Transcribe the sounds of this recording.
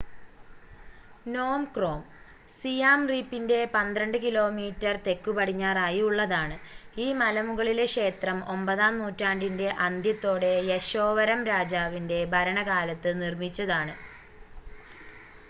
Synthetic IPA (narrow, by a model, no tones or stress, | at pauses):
no̞ːmkro̞ːm | sijaːmriːpːinde̞pɐnd̪rɐɳɖɨkilo̞ːmiːtːɐrt̪e̞kːupɐɽ̤iɲːaːraːjiuɭːɐðaːɳɨiːmɐlɐmuɣɐɭile̞kʂe̞ːt̪rɐmo̞mbɐðaːmnuːtːaːɳɖinde̞ʔɐnd̪ʱjɐt̪ːo̞ːɽe̞jeɕo̞ːʋɐɾɐmɾaːd͡ʑaːʋinde̞bʱɐɾɐɳɐɣaːlɐt̪ːɨnirmit͡ɕːɐðaːɳɨ